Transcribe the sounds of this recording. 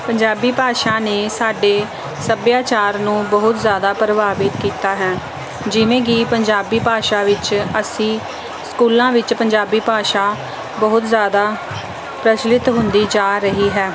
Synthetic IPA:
pəɲd͡ʒaːbiːpaːʃaːneːsaːɖeː | səbjaːt͡ʃaːɾnũːbəɦʊt̪zjaːd̪aːpɾəbaːʋɪt̪kiːt̪aːɦɛː | d͡ʒɪʋẽːɡiːpəɲd͡ʒaːbiːpaːʃaːʋɪt͡ʃəsĩː | skuːlãːʋɪt͡ʃpəɲd͡ʒaːbiːpaːʃaː | bəɦʊt̪zjaːd̪aː | pɾət͡ʃlɪt̪ɦʊ̃nd̪iːd͡ʒaːɾəɦiːɦɛː

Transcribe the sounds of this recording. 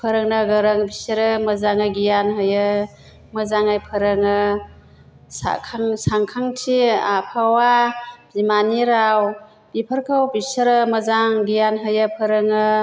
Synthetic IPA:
pʰəɾəŋnɐɡəɾəŋbisəɾəməzaŋaɡijanɦɯjɯ | məzaŋajpʰəɾɯŋɯ | sa̰kʰaŋsaŋkʰaŋtʰiapʰawazimaniɾaw | b̥ipʰəɾkʰawbisəɾəməzaŋɡijanɦɯjapʰəɾɯŋɯ

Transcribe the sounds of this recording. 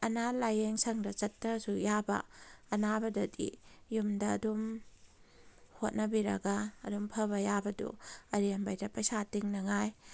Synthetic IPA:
ɐnalajeŋsɐŋdɐt͡ʃɐtːɾɐsujabɐ̰ːnabɐdɐdḭjumdɐːdum | hot̚nɐbiɾɐ̰ɡɐ̰ːdumpʰɐbɐjabɐdṵɐɾiɐmbajdɐpɐjsatiŋnɐŋaj

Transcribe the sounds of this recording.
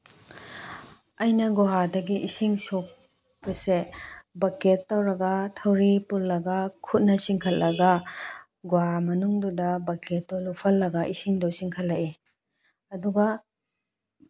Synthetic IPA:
ɐjnɐɡoɦadɐɡiʔisiŋsok̚ | bɐsebɐketːɐwɾɐɡɐtʰɐwɾipullɐɡɐkʰut̚nɐsiŋkʰɐt̚lɐɡɐ | ɡoɦamɐnuŋdudɐbɐket̚dolupʰɐlːɐɡɐʔisiŋdowsiŋkʰɐt̚lɐʔi | ɐduɡɐ

